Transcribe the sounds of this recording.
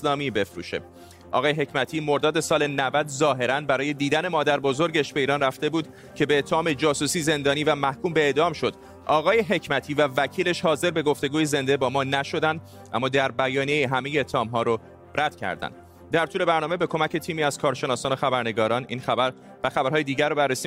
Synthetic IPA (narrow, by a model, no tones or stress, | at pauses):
slɒːmiːbe̞fɾṵːʃe̞̰ | ʔɒ̰ːɣɒːje̞ɦe̞cmæt̪ʰiːmo̞ɾd̪ɒːd̪e̞sɒːle̞nævæd̪zɒːɦe̞ɾænbæɾɒːje̞d̪iːd̪æne̞mɒːd̪æɾbo̞zo̞ɾɟeʃbe̞iːɾɒːnræft̪e̞buːd̪ | cʰe̞beːt̪ʰːeɒːme̞d͡ʒɒːsuːsiːze̞nd̪ɒːniːvæmæhkʰuːmbe̞eːd̪ɒːmʃo̞d̪̥ | ʔɒːɣɒːje̞ɦe̞cʰmæt̪ʰiːvævæcʰiːle̞ʃhɒːze̞ɾbe̞ɡo̞ft̪e̞ɡuːjeze̞nd̪e̞bɒːmɒːnæʃo̞d̪ænd̪ | ʔæ̰mːɒːd̪æɾbæjɒːnije̞iɦæme̞jeːt̪ʰːeɒːmɦɒːɾo | rʔæd̪̥cʰæ̰ɾd̪æ̰nd̪̥ | d̪æɾt̪uːle̞bæɾnɒːme̞be̞kʰo̞mæce̞t̪ʰiːmiːæz̥kʰɒːɾʃe̞nɒːsɒːnoxæbæɾne̞ɡɒːɾɒːninxæbæɾ | væxæbæɾhːjed̪iːɟæɾːobærːesi